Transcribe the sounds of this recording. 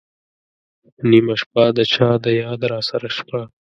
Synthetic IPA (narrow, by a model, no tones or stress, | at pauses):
nimaʃpad̪ət͡ʃʰɑd̪əjɑːd̪ɾɑsaɾaʃpa